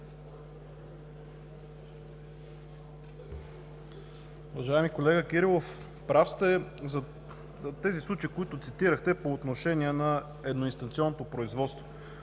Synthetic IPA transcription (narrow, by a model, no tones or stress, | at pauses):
uvɐʒaɛmikolɛɡəkiɾilˠof | pɾafst̪ɛzɐ | t̪ɛzislˠut͡ʃəikoit̪ʊt̪sit̪iɾəxt̪ɛpoːt̪noʃɛniɛnɐ | ɛd̪noinst̪ɐnt̪siɔnːot̪opɾoizvɔt̪st̪vo